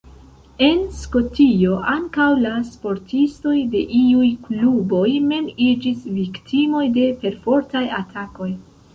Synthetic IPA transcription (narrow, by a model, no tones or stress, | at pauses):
e̞nsko̞tio̞ʔaŋkawlaspo̞ɾtʰisto̞jde̞ʔiujklubo̞jme̞mid͡ʒisviktʰimo̞jde̞pe̞ɾfo̞ɾtajatʰako̞j